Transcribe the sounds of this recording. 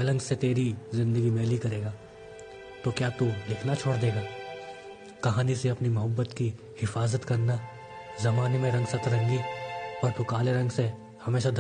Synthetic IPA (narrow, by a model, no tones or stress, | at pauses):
lɐ̃ŋɡset̪eːɾizɪ̃nd̪əɡimɛːlikɐɾeːɡaː | t̪okjaːt̪ulɪkʰnat͡ʃʰoːɽd̪eːɡaː | kɐɦaːniseɐpnimɐɦəbːət̪ki | hɪfaːzət̪kɐɾna | zɐmaːnemẽɾɐ̃ŋɡsɐt̪ʰɾɐ̃ŋɡiɔːɾp̪ʊkaːleɾɐ̃ŋɡse | hɐmeːʃad̪ʱ